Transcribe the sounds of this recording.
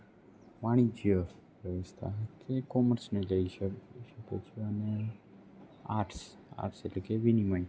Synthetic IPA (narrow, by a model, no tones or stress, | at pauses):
maɽ̃id͡ʒijə | ʋɾəʋəst̪ʰa̰ɦk̪ʰekɔməɾsneləiʃʃəkot͡ʃʰeəne | a̰ʈs | a̰ʈsetlekeʋinimaĩ